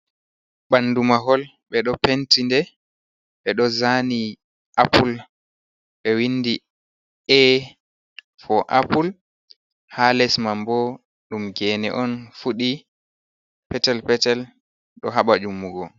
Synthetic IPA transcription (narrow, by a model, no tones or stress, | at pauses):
ɓanːdumaɦɔl | ɓɛɗɔpentindɛ | ɓɛɗɔzani | ʔapul | ɓɛwindi | ʔɛ | fɔʔa̰pul | halɛsmambɔ | ɗumɡɛnɛ̰ʔɔnfuɗi | pɛtɛlpɛtɛl | ɗɔɦaɓad͡ʒumːuɡɔ